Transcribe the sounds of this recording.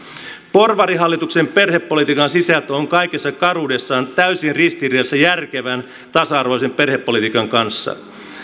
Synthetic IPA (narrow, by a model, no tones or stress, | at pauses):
porʋɑɾiɦɑlːit̪uksemperhepːo̞lit̪ikɑnsisæt̪oŋkɑijkesːɑkɑruːde̞sːɑːnt̪æysinrist̪iriesːæjærkeʋæn | t̪ɑsɑɑrʋoisemperhepːo̞lit̪ikɑŋkɑnsːɑ̰